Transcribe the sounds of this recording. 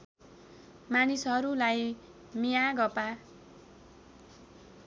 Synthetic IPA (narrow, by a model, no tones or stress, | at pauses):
manisɦʌɾulaj | mijaɡʌpa